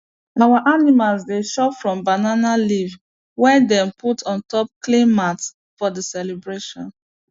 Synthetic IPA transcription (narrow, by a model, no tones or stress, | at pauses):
awaʔanimalzdeʃɔpfɹɔ̃mbananaliv | wɛdɛ̃mputʰɔ̃ntɔp̚klĩnmat | fɔdəsɛlebɹeʃɔ̰̃n